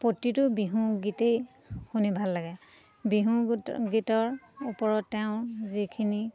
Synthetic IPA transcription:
potːitʊbiɦũɡitej | xunibʱalːaɡɛ | biɦũɡitɔɹupɔɹɔtːɛʊ̃zikʰini

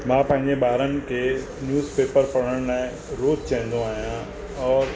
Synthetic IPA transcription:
mãːpɐ̃ɦɪ̃ɲd͡ʑeɓaːɾənɪ̆kʰeː | njuːzpeːpəɾpɐɽəɽ̃laːɪ̃ | ɾoːzt͡ɕɐ̃ɦɪ̃nd̪õaːɦijã | ɔːɾ

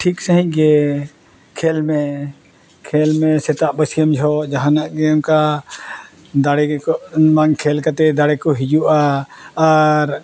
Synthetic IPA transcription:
ʈʰiksəɦĩc̚ɡɛ | kʰɛlmɛ | kʰɛlmɛsɛt̪aʔbəsijəmd͡ʒʱɔd͡ʒaɦanaʔɡɛmka | d̪aɽɛkɔmaŋkʰɛlkat̪ɛd̪aɽɛkɔɦid͡ʒuʔaː | ɾ

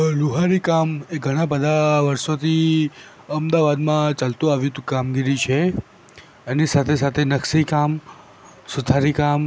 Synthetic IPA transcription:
luɦaɾikameɡʱəɽ̃apəd̪ʱaʋəɾsot̪ʰi | əmd̪aʋad̪mãt͡ʃalt̪ũaʋjũt̪ukamɡiɾit͡ʃʰe | ənisat̪ʰesat̪ʰenəksikam | sut̪ʰaɾikam

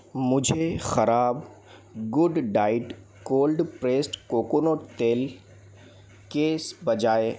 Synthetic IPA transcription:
mʊd͡ʒʱexɐɾaːb | ɡʊɖɖaːɪʈ | koːlɖpɾeːsʈkoːkoːnot̪eːl | keːsbɐd͡ʒaːe

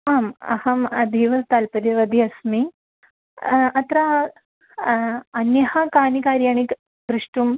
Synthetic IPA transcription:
aːmɐ̰hɐmɐd̪ʱiʋɐst̪alpɐɾɐʋɐd̪ʱiɐsmi | ɐt̪ɾa | ɐnjɐhɐkaːnikaːɾjaːɳ̃ik | bɾuʂʈum

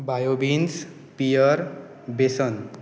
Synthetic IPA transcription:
bajobins | pijʌɾ | besʌn

